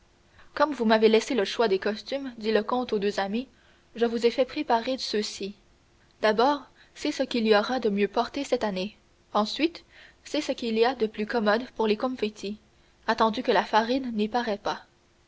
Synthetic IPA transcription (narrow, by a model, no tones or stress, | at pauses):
kɔmvumavelɛseləʃwad̪ekɔst̪ymd̪iləkɔ̃t̪od̪øzami | ʒəvuzefɛpχepaʁesøsi | d̪̥abɔːʁ | sɛsəkʲiliɔʁad̪əmjøpɔʁt̪esɛt̪ane | ɑ̃sɥit̪ | sɛsəkʲiliad̪əplykɔmɔd̪puʁlekɔ̃mfet̪ʰi | at̪ɑ̃d̪ykəlafaʁinːipaʁɛpa